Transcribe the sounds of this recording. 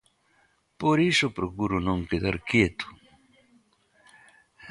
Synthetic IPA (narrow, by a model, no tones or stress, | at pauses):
poɾisopɾokuɾonõŋkeða̰ɾkjet̪o̥